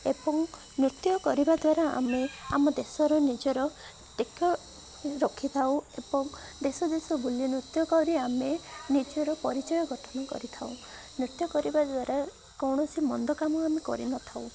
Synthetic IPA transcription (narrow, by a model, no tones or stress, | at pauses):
ebɔŋ | nɾit̪jɔkɔɾibad̪waɾaa̰mea̰mɔd̪esɔɾɔnid͡ʒɔɾɔ | ʈekʰjɔ | ɾɔkʰːit̪ʰaw̃ebɔŋ | d̪esɔd̪esɔbulinɾut̪jɔkɔɾiamenid͡ʒɔɾɔpɔɾit͡ʃɔjɔɡʱɔʈʰɔnɔkɔ̰ɾit̪ʰaw̃ | nɾit̪jɔkɔɾibad̪waɾa | kɔwɳ̃ɔsimɔnd̪ɔkamɔamekɔ̰ɾḭnɔt̪ʰaw̃